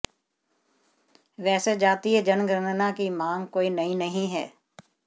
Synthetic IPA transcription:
ʋɛːsed͡ʒaːt̪iɦɛd͡ʒɐnɡɾənnãkimaːŋkoːinɐɦĩnɐɦĩɦɛ̰ː

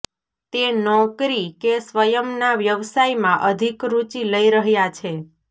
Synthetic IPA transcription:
t̪enɔkɾikesʋəjəmnaʋjəʋsaimãʔəd̪ʱikɾut͡ʃiləiɾəɦjat͡ʃʰe

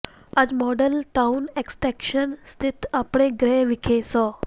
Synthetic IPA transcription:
ad͡zmɔɖəlt̪auneksʈɾɛkʃənst̪ʰit̪apɳ̃eɡɾeʋikʰesɔ

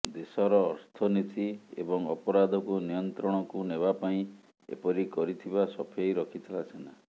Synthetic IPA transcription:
d̪esɔɾɔːɾt̪ʰɔnit̪iḛbɔŋɔpɔɾad̪ʱɔkunijɔnt̪ɾɔɽ̃ɔkuneβapaĩ | ḛpɔɾikɔɾit̪ʰibasɔpʰejɾɔkʰit̪ʰilat͡ʃʰena

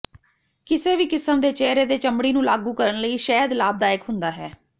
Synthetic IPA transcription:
kɪseːʋiːkɪsəmd̪eːt͡ʃɛːɾeːd̪eːt͡ʃəmɽiːnũːlaːɡuːkəɾənləiːʃɛːɦəd̪laːb̚d̪aːɪkɦʊnd̪aːɦɛː

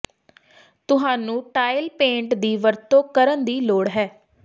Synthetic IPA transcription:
t̪ʊɦaːnũːʈaːɪlpẽːɳʈd̪iːʋəɾt̪õːkəɾənd̪iːloːɽɦɛː

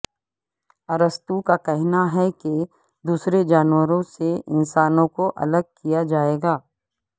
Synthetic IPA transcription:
ɐɾəst̪ukakɛɦnaɦɛke | d̪uːsɾed͡ʒaːnwəɾõseɪnsaːnõkoʔɐ̰ləɡ̚kijad͡ʒaːeːɡaː

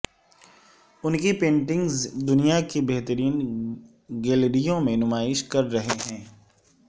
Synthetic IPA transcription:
ʊnkipẽːɳʈɪ̃ŋɡzd̪ʊnijakibɛɦt̪əɾiːn | ɡeːlɾijõmẽnʊmaːɪʃkɐɾːɐɦeɦɛ̃ː

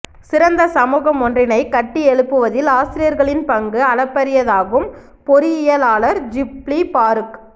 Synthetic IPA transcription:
sɪɾɐnd̪ɐsɐmuːɣɐmɔndrɪnɐɪkɐʈːiɛɻɯpːɯʋɐðɪlaːsɪɾɪjɐɾɣɐɭɪnpɐŋɡɯɐɭɐpːɐɾɪjɐðaːɣɯm | pɔɾɯɪjɐlaːɭɐɾd͡ʒɪplipaːɾɯk

